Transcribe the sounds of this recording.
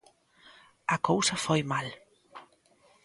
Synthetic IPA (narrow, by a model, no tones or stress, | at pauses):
ɐkowsafojmal